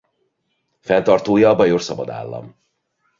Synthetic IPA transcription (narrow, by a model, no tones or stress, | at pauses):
fɛnt̪ɒrt̪oːjɒːbɒjorsɒbɒd̪a̰ːlːɒ̰m